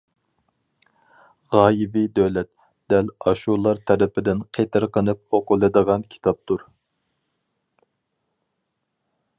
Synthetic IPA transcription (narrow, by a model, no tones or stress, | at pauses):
ʁɑːjibid̪øwlɛt̪ | d̪̥ɛlɑʃulˠɑɾt̪ʰɛɾɪpʰɪd̪ɪnqʰet̪ɪɾqənɨp̚oqʊlˠɨd̪əʁɑnkʲʰi̥t̪ʰɑp̚t̪ʰuɾ